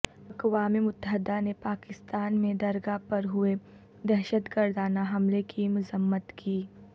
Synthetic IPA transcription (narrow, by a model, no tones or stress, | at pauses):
ɐkʋaːmimʊt̪ːəɦɪd̪anepaːkɪst̪aːnmẽd̪ɐɾɡapɐɾɦʊe | d̪ɛɦʃət̪ɡɐɾd̪aːnaɦɐmlekimʊzəmːət̪kʰiː